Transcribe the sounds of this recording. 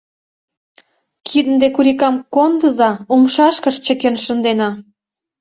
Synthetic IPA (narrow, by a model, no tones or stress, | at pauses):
kʰid̪ənd̪ekuɾikɑmkond̪əzɑumʃɑʃkəʃt͡ɕə̆kenʃə̆nd̪enɑ